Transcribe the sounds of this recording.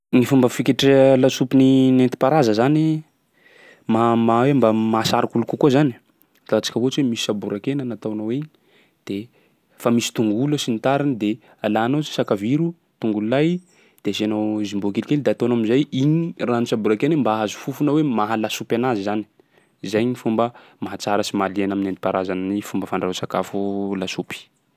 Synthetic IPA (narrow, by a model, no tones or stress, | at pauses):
nifumbəfikeʈ͡ʂelasupininent̪i̥paɾazəzani | mamawembamasaɾakulukukozan̥ | t̪aat͡si̥kəvot͡ʃwemisi̥sabuɾakenənat̪awanoweiɲi | d̪̥e | famisi̥t̪uŋɡuləsinit̪aɾinid̪e | alano̥sakaviɾu | t̪uŋɡululaj | d̪̥ezeanowzimbokelikʲeld̪eat̪oanaminzajiɲiranusabuɾakenəmbaazu̥fufunawemaɦalasupʲanazizani̥ | zajɲifumbə | maɦat͡saɾəsimalianaminand̪ipaɾazananifumbəfaɳɖ͡ʐasaka̰fulasupi̥